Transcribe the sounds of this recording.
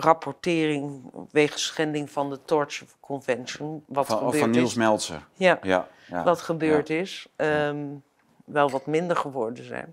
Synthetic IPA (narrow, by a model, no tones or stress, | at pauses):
rapʰɔɹtɪːrɪŋʋejχəsχɛndɪŋvɑndətɔɹt͡ʃəkʰɔnvɛnsənʋɑtəbøːnilˠsmɛlˠsə̰ja | ʋɑtχəbøːɹtɪsə | ʋɛlˠʋɑtmɪndəɹχəʋɔɹdənzɛ̰jn